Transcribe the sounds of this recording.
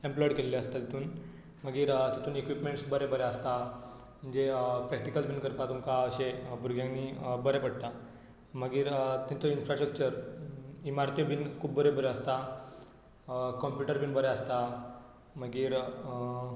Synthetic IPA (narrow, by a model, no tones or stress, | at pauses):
emplɔjɽkelleəst̪at̪it̪uːn | məɡiːɾt̪it̪uːnekʋipmẽɳʈsbəɾebəɾeəst̪a | m̤əɳd͡ʑepɾɛk̚ʈikəlbʱiːnkəɾpat̪umkaəɕebʱuɾɡʱjãŋniːbəɾepəɽt̪a | məɡiːɾt̪int̪oinfɾasʈɾək̚t͡ɕəɾ | imaɾt̪ibiːnkʰuːbːəɾebəɾeəst̪a | kɔmpjuʈəɾbiːnbəɾeəst̪a | məɡiːɾ